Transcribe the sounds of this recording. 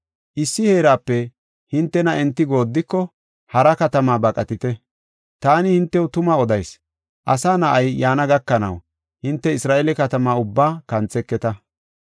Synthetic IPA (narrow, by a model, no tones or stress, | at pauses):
ʔɪsːɪheːɾaːpːɛ | hɪnt̪ːɛnɐɛnt̪ːɪɡo̞ːd̪ːɪkːɔ | hɐɾɐkɐt̪ɐmaːbɐkʼɐt̪ɪt̪ɛ | t̪aːnɪhɪnt̪ːɛwʊt̪ʊmaɔd̪ɐjs | ʔɐsaːnɐʔɐjːaːnɐɡɐkːɐnɐ̰w | hɪnt̪ːɛɪsɾaːʔelɛkɐt̪ɐmaːʊbːaːkɐnt͡sɛkːɛt̪ɐ